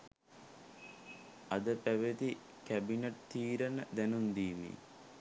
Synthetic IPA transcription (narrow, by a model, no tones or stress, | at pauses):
ɐd̪əpæʋət̪i | kæbineʈ̚t̪iːɾənəd̪ænund̪iːʋḭ